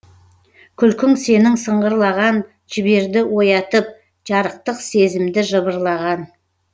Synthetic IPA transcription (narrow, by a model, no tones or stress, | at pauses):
kʲʰʏlkʲɪŋse̞nɪŋsəɴʁəɾlˠɑʁɑn | ʒɪbe̞ɾd̪ɪwo̞jɑt̪əp̚ | ʒ̥ɑɾəq̚t̪əqse̞zɪmd̪ɪʒəβəɾlˠɑʁɑn